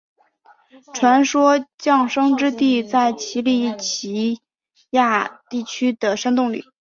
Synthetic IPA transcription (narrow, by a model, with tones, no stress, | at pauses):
ʈ͡ʂʰwa˧˥nʂwɔ˥t͡ɕjɑ˥˩ŋʂɤ˥ŋʈ͡ʂɻ̩˥t̪i˥˧t͡sa˥˩ɪt͡ɕʰi˧˥li˥˩t͡ɕʰi˧˥ | ja˥˧t̪i˥˩t͡ɕʰy˥d̪ə˨˩ʂa˥nt̪ʊ˥˩ŋlḭ˨˩˦